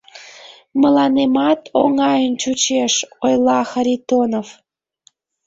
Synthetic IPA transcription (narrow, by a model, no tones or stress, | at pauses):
məlɑnemɑt̪oŋɑjənt͡ɕut͡ɕeʃojlɑxəɾʲit̪onov